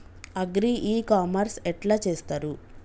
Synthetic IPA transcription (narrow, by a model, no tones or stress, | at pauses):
ɐɡɾiʔiːkaːmɐɾsɛʈlaːt͡ʃeːst̪aːɾu